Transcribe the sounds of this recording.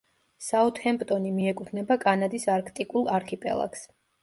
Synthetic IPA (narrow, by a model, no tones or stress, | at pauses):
saɔt̪ʰhɛmpʼt̪ʼɔnimiɛkʼupʰnɛbakʼanad̪isaɾkʰt̪ʼikʼulˠaɾkʰipʼɛ̰lˠa̰ks